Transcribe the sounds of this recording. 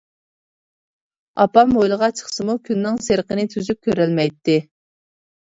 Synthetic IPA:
ɑpɑmojlˠəʁɑt͡ʃʰə̥χsɨmukʲʰynːɪŋseɾqənɪt̪ʰyzyp̚kʲʰøɾɛlmɛjt̪ːɪ

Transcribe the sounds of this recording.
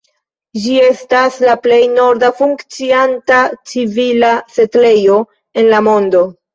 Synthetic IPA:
d͡ʒie̞staslaple̞jno̞ɾdafuŋkt͡siantat͡sivilase̞tle̞jo̞ | e̞nlamo̞ndo̞

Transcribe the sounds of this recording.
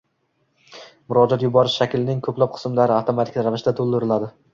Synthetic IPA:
mʊɾɒd͡ʒɒt̪jʊbɒɾɪʃʃakʲɪlnɪŋkʰɵplap̚qʰɨ̥smlaɾɪaft̪omat̪ʰɪ̥kʲɾavɪʃd̪at̪ʰolˠd̪ɪɾɪlad̪ɪ

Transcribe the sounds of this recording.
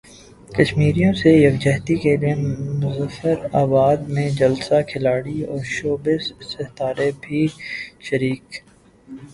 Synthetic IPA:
kɐʃmiːɾijõsejɐkd͡ʒɛɦt̪ikeliemʊzəfəɾaːbaːd̪mẽd͡ʒɐlsakʰɪlaːɽiɔ̰ːɾʃoːbɪzsɪɦt̪aːɾebʱiʃəɾiːk

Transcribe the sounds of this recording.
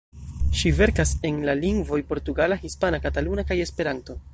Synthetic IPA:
ʃive̞ɾkase̞nlaliŋɡvo̞jpo̞ɾtuɡalahispanakatalunakaje̞spe̞ɾanto̞

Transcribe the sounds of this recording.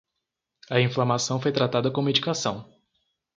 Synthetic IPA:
ɐĩflamasɐ̃w̃fojt̪ɾat̪ad̪ɐkõmed͡ʒikasɐ̃w̃

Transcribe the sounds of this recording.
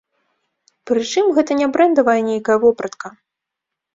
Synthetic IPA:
pɾɨt͡ʂɨmɣɛt̪ɐnʲabɾɛnd̪ɐvɐjɐnʲejkɐjɐvɔpɾɐt̪kɐ

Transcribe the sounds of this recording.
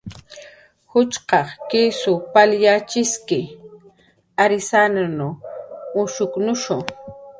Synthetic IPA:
hʊt͡ʃqɑχkisʊpaljat͡ʃɪskɪ | aɾɪsananʊʊʃʊknʊʃʊŋ

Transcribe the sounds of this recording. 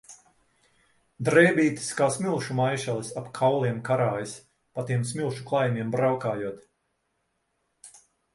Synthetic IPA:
d̪ɾɛjbiːt̪i̥skaːsmʲilˠʃumajʃalˠisapkʰawlˠiɛmkaɾaːjis | pat̪iɛmsmʲilˠʃuklˠajmʲiɛmbɾawkaːjuɔt̪

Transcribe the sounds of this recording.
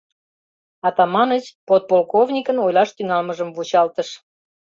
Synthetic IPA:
ɑt̪ɑmɑnət͡ɕpot̪̚polkovnʲikənojlɑʃt̪yŋɑlməʒəmvut͡ɕɑlt̪əʃ

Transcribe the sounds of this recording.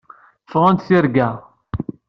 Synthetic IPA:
fʁænt̪θiɾɡæ

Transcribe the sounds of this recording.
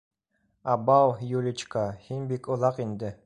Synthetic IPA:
abawjulʲit͡ʃkahinʲbikulˠɑqind̪ɪ

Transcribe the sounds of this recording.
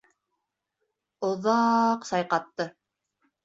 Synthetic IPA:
ŏðɑqsɑjqɑt̪ːɤ

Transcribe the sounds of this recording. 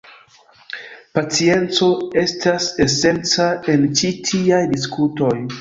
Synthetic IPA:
pat͡sie̞nt͡so̞e̞stase̞se̞nt͡sae̞nt͡ʃitʰiajdis̬kʰuto̞j

